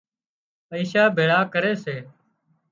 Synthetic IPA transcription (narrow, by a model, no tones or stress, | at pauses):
əiːʃaːbʱeːɽaːkəɾeːseː